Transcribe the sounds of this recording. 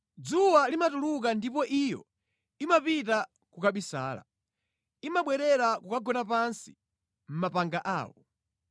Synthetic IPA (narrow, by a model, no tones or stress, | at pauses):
d͡zuwalimatuluk̬andipɔʔijɔ̰ | imapit̬a | kukaɓisa̰ːla̰ | imaɓwɛɾɛɾakukaɡɔnapansi̥ | m̩mapaŋɡaʔa̰ːwɔ